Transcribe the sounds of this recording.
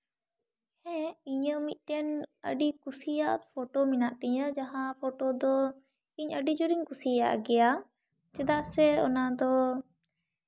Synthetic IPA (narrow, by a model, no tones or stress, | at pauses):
hɛ̃iɲəmit̪̚ʈɛnə̰ɖikusijaʔ̪pʰɔʈominaʔt̪ɛɲəd͡ʒaɦãpʰɔʈod̪ɔ | iɲəɖid͡ʒuɾiŋkusija̰ʔɡɛja | t͡ʃɛd̪aʔsɛɔ̰nad̪ɔ